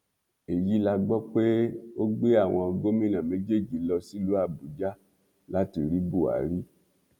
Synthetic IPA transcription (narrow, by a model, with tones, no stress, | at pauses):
e˨ji˨˦la˧ɡ͡bɔ˦k͡pe˦o˦ɡ͡be˦a˦˨w̃ɔ̃˧o˧ɡo˦mĩ˦nã˨mẽ˨˦d͡ʒe˦˨d͡ʒi˨˦lɔ˧si˦lu˨˦a˦˧˨bu˨d͡ʒa˦ | la˦ti˧ɾi˦bu˦˨a̰˨˦ɾi˦